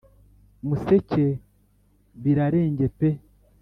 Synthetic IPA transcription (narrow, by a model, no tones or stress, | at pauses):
musecʰe | βiɾaɾeːɲɟepe